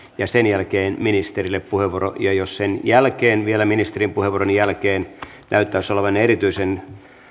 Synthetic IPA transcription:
jɑsenjælkeːnminist̪erilːeppuheʋoro̰jɑjossenjælkeːnʋielæminist̪erimpuheʋuoronjælkeːn | næyt̪ːæysolɑʋɑneɾit̪yisen

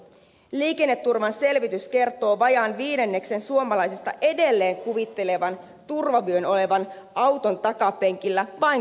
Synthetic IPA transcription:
liːke̞nːet̪ːurʋɑnse̞lʋit̪yske̞rt̪o̞ːʋɑjɑnʋiːde̞nːe̞kse̞nsuo̞mɑlɑjsist̪ɑ̰ʔe̞de̞lːe̞ːŋkuʋit̪ːe̞le̞ʋɑn | t̪urʋɑʋyøno̞le̞ʋɑn | ʔɑwt̪o̞nt̪ɑkɑpe̞ŋkilːæʋɑn

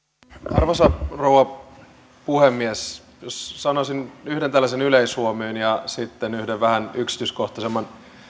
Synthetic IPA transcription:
ɑrʋosɑrowɑ | puhemːies | jossɑnosinyhɾent̪ælːæsenyleishuomyːnjɑsit̪ːenyhdeʋʋæhænyksi̥t̪yːskoht̪ɑsemːɑn

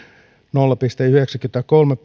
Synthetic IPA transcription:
nolːɑpist̪eyheksækyt̪ækolmepː

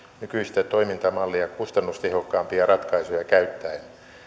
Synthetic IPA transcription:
nykyist̪æt̪oimint̪ɑmɑlːiɑkust̪ɑnːust̪ehokːɑːmpiɑrɑt̪kɑisujɑkæyt̪ːæin

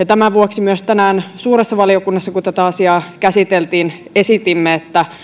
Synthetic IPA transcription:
jɑt̪æmæʋuoksimyøst̪ænæːnsuːɾesːɑʋɑliokunːɑsːɑkut̪æt̪æɑsiɑːkæsit̪elt̪iːn | e̞sit̪imːeet̪ːæ

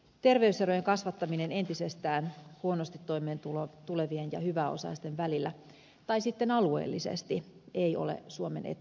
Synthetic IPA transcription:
t̪e̞rʋe̞yseɾojeŋkɑsʋɑt̪ːɑminene̞nt̪isest̪æːnhuonost̪it̪ːojmeːnt̪ult̪ule̞ʋienjɑhyʋæo̞̰sɑ̰ist̪e̞nʋælilːæ | t̪ɑisit̪ːenɑlue̞̰ːlːisḛst̪iejo̞̰lḛsuomenʔḛt̪

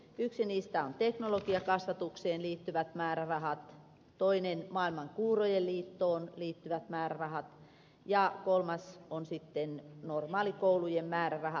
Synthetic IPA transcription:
yksiniːst̪æont̪eknolokiɑkɑsʋɑt̪ukseːnliːt̪ːyʋæt̪mæːrærɑhɑt̪ | t̪oinenmɑilmɑŋkuːrojelliːt̪ːoːnliːt̪ːyʋæt̪mæːrærɑhɑt̪ | jɑkolmɑsonsit̪ːennormɑːlikoulujemmæːrærɑhɑ

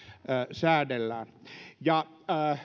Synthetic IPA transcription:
əsæːdelːæːnjɑ

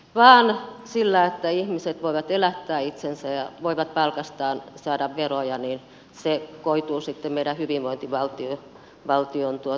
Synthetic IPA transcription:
ʋɑːnsilːæet̪ːæihmiset̪ʋoiʋɑt̪elæt̪ːæːit̪sensæjɑʋoiʋɑt̪̚pɑlkɑst̪ɑːnsɑːdɑʋʋerojɑnin | sekoit̪uːsit̪ːemmeiɾæhyʋiʋʋoint̪iʋɑlt̪io | ʋɑlt̪iont̪uo

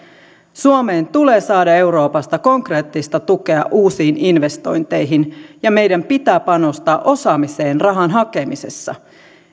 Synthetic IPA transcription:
suome̞ːnt̪ule̞ːsɑːdɑe̞wɾo̞ːpɑst̪ɑko̞ŋkre̞ːt̪ːist̪ɑt̪uke̞ɑ̰ʔuːsiːninʋe̞st̪o̞̰jnt̪e̞jɦinjɑme̞jdæmpit̪æːpɑno̞st̪ɑːʔo̞sɑːmise̞ːnrɑɦɑnɦɑke̞mise̞̰sːɑ̰

